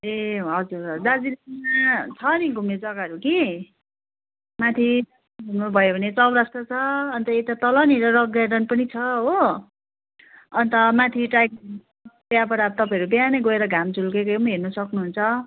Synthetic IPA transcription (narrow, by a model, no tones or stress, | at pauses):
eɦʌd͡zurd͡zad͡zinmat͡sʰʌniɡʱumed͡zʌɡaʌɾuki | mat̪ʰi | ɡʱumobʱʌjobʱʌnet͡sʌbɾasʈʌt͡sʰʌːnt̪ʌet̪at̪ʌlʌniɾʌɾʌɡɾaɖʌnpʌnit͡sʰʌɦo | ʌnt̪ʌmãt̪ʰiʈajk̚ | bjapʌɾab̚t̪ʌpãʌɾubjanʌjɡʌeɾʌɡʱamd͡zʱulkekʌmɦernʌsʌknuɦunt͡sʰʌ